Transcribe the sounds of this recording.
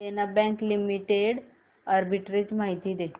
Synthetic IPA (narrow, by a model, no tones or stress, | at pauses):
enabɛ̃ŋklimiʈeɽ | əɾbiʈɾid͡ʑmaɦit̪iːd̪e